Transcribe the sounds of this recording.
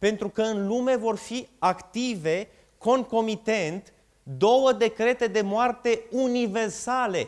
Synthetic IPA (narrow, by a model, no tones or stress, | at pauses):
pe̞nt̪ɾukəɨnlume̞vo̞rfiakt̪ive̞ | ko̞ŋko̞mit̪e̞nt̪ | d̪o̞wəd̪e̞kɾe̞t̪e̞d̪e̞moart̪e̞unive̞rsale̞